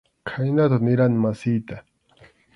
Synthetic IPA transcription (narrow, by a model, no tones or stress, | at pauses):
kʰajnat̪anɪɾanɪmasɪjt̪a